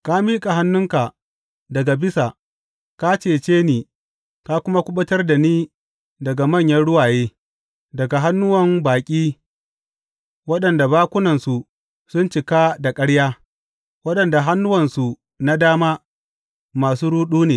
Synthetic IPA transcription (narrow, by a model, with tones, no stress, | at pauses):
ka˦miː˦kʼa˨ɦa˦nːʊ˦ŋka˨ | dɐ˨ɡa˨bɪ˦sa˨ | ka˦t͡ʃeː˨t͡ʃeː˦niː˨ | ka˦kʷʊ˦ma˦kʷʊ˦ɓɐ˦tɐ˦rda˨niː˦ | dɐ˨ɡa˨mɐ˦˨ɲjɐ˦nɽʊ˦waː˨jeː˦ | dɐ˨ɡa˨ɦa˦nːʊ˦wɐ˨mbaː˨kʲʼiː˦ | wɐ˦ɗɐ˨nda˨baː˦kʷʊ˦nɐ˨nsu˨ | sʊ˦nt͡ʃɪ˨ka˦da˨kʼɐ˦ɽjaː˦ | wɐ˦ɗɐ˨nda˨ɦa˦nːʊ˦wɐ˨nsu˨ | na˦daː˦maː˦ | maː˨suː˦ɾuː˦ɗuː˦neː˨